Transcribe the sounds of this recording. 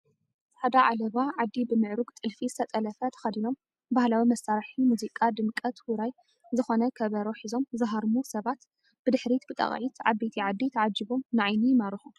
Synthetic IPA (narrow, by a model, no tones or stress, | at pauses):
ħad̪aʕalɐβaʕad̪ːibɨmɨʕɾuɡt̪ʼɨlfizɨ̥t̪ʰɐt̪ʼɐlɐfɐt̪ʰɐ̥xɐd̪ino̞m | bahlawimɐsaɾħimuzikʼad̪ɨmkʼɐt̪uɾaj | zɨxonɐkʰɐβɐɾoħizo̞mzɨɦaɾmusɐβat̪ | b̥ɨd̪ɨħɾit̪bɨt̪ʼɐ̰χʼʕit̪ʰʕa̰βet̪ʰiʕad̪ːit̪ʰɐʕad͡ʒːiβomnɨʕajnijɪmaɾɨħu